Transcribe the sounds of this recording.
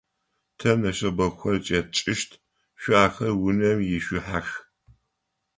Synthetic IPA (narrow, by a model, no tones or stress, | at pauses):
tʰɐnɐʃɐbɐxʷɔrt͡ʃʼɐt͡ʃʼɪʃtʰ | ʃʷʊaːxɐrwʊnɐmjɪʃʷʊħax